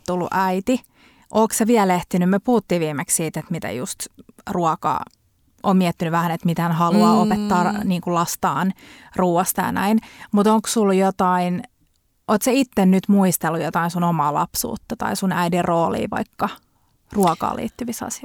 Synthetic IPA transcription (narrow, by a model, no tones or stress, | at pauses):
t̪ulːṵʔæit̪i | ʔoːkseʋiɛleht̪inymmøpuhut̪ːiːʋiːmekssiːt̪et̪mit̪æ̰jṵst̪ruɑkɑ̰ː | ʔoːmmiɛt̪ːinyʋæhænet̪mit̪ænhɑluɑːopet̪ːɑːniːŋkulɑst̪ɑːnruːɑst̪ɑjɑ̰næinmut̪oŋkssuljot̪ɑin | ʔoːt̪seit̪ːennyt̪muist̪elːujot̪ɑinsunomɑːlɑ̰psṵːt̪ːɑt̪ɑ̰isunæidirroːlḭːʋɑ̰ikːɑ | ruɑkɑ̰ːlḭːt̪ːyʋisɑ̰sjɑ